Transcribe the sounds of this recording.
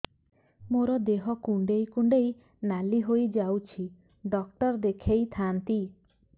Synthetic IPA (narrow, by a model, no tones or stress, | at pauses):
moɾɔd̪eɦɔkuɳɖejkuɳɖej | naliɦojd͡ʒawt͡ʃʰi | ɖɔk̚ʈɔɾd̪ekʰejt̪ʰant̪i